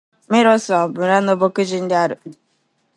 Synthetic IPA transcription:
meɾosabʊɾanobokud͡ʒin̩dɪaɾʊ

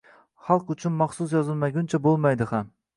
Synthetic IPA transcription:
χɑlˠqʊt͡ʃʰʊnmɑχsʊs̬jɒzɨlˠmaɡʲunt͡ʃʰabolˠmajd̪ɪχam

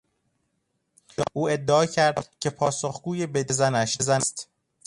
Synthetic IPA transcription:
ʔuːe̞d̪ːeɒːcʰæɾd̪̥cʰe̞pʰɒːsoxɡuːje̞bed̪ezænæʃzæst̪

